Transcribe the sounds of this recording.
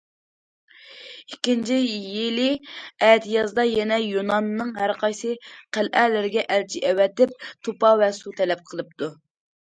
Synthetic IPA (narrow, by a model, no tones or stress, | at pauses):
ikʲːint͡ʃʰijɪlɪɛt̪jɑzd̪ɑjɛnɛjonɑnnːɨŋɦæɾqʰɑjsɨqʰælʔɛlɪɾɪɡʲɛʔælt͡ʃʰiʔɛwɛt̪ɪp̚t̪ʰopɑvɛsut̪ʰɛlɛp̚qʰəlˠɨp̚t̪u